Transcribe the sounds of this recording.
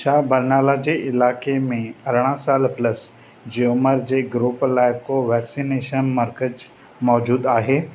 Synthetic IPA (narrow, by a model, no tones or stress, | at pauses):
ʃaːbəɾnaːlad͡ʑeːɪlaːkemẽɐɾɽ̃ãsaːlpləs | d͡ʑeoməɾd͡ʑeːɡɾuːplaːɪkoʋɛːksineːʃənməɾkəd͡ʒ | mɔːd͡ʑuːd̪aːɦeː